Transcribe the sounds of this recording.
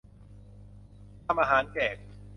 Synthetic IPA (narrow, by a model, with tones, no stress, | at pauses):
a˧mʔaː˧ɦaː˩˦nkɛː˨˩k̚